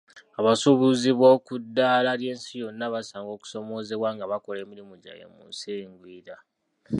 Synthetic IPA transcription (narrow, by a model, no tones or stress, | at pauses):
aβasuβuziβo̞ːkudːaːlaːlje̞ːnsijo̞nːaβasaːŋɡo̞ːku̥so̞mo̞ːze̞βwaːŋɡaβako̞le̞ːmiɾimuɟa̰jḛmṵnseːŋɡwiːɾa